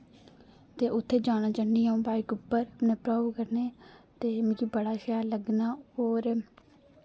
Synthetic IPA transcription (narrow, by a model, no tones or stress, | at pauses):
t̪eːʔʊt̪ʰːeːd͡ʒaːñaːt͡ʃəɳːiːɦaũːbaːikʊpːəɾnẽːpɾaːʋkəɾneːt̪eːmĩːkiːbəɽaːʃjaːləɡnaːoːɾ